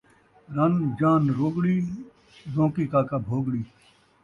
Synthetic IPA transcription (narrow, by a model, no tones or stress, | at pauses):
ɾɐnd͡ʒaːnɾoːɡɽiː | zõːkiːkaːkaːbʱoːɡɽiː